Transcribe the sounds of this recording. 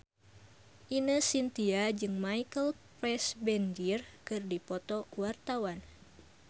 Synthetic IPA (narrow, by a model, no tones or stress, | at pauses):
ʔinəsint̪iad͡ʒɨŋmaikəlpɾɛsbɛnd͡ʒirkɨrdipɔt̪ɔkuwart̪awan